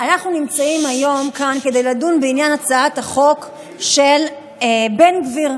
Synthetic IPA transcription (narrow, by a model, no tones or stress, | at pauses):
anaχnunimt͡saimajo̞mkanke̞de̞jladunbeinjanat͡saataχo̞k | ʃe̞l | be̞nɡviʁ